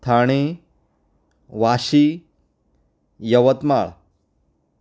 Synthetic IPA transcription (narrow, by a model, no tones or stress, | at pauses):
t̪ʰaɽ̃e | ʋaɕi | jəʋət̪ma̰ɭ